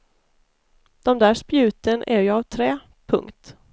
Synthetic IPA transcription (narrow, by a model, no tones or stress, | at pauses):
d̪̥ɔmd̪æːʂpjʉ̟ːt̪ənʔæ̰ɾjavt̪ʰɾɛː | pʰɵ̰ŋkt̪